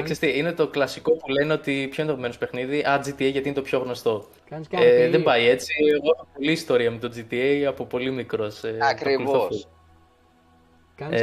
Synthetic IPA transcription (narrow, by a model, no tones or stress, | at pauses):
ksest̪iine̞t̪o̞klɐsiko̞puleneo̞t̪ipço̞nd̪ɐmenospe̞xniðiʔɐd͡zit̪ieʝɐt̪inet̪opço̞ɣno̞st̪o̞ | eðe̞mbɐie̞t͡sieɣo̞exopo̞liːst̪o̞ɾiɐmet̪o̞d͡zit̪ieɐpo̞po̞limikɾo̞seɐkɾilvo